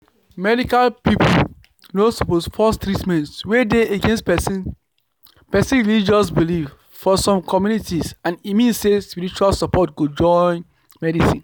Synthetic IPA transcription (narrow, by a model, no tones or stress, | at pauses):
mɛdikalpipo | nosɔposfɔstɹitmɛ̃ntswedeeɡẽns | pɛsĩnɹilid͡ʒɔs̬bilif | fɔsɔ̃mkʰɔmjunitisãnimĩnssespiɹit͡ʃualsapʰɔt̚ɡud͡ʒɔ̃n | mɛdisĩn